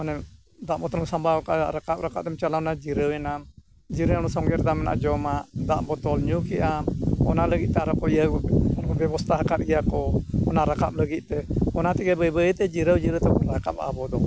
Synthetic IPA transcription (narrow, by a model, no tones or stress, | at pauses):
ɔnɛ | d̪aʔbɔt̪ɔnɔmsambaɔkaʔɾakap̚ɾakap̚t̪ɛmt͡ʃalaɔnad͡ʒiɾəwɛnam | d͡ʒiɾəanɔsɔŋɡɛɾd̪amɛna̰ʔd͡ʒɔmaʔd̪aʔbɔt̪ɔlɲukɛʔamɔnaləɡit̪̚t̪ɛaɾɔkɔiəɔnkɔbɛbɔst̪ʰaɦakaɾ̚ijakɔɔnaɾakap̚ləɡit̪̚t̪ɛɔnat̪ɛɡɛbəjbət̪ɛd͡ʒiɾəwd͡ʒiɾəwt̪ɛbɔɾaka̰p̚a̰bɔd̪ɔ